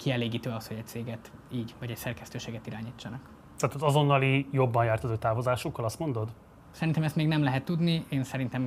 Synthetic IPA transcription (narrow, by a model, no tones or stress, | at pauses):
kʰiɛleːɡiːt̪øːɒsho̞ɟɛc̚t̪seːɡɛt̪iːɟvɒɟɛcsɛrkɛst̪øːʃeːɡɛt̪iɾaːɲiːt͡ʃːɒnɒk | t̪aːt̪ɒzɒzo̞nːɒlijo̞bːɒnjaːrt̪ɒt̪oːt̪aːvozaːʃukːɒlɒst̪mo̞nd̪o̞d̪ | sɛɾint̪ɛmɛst̪meːɡnɛmlɛɦɛt̪ːud̪nieːnsɛɾint̪ɛm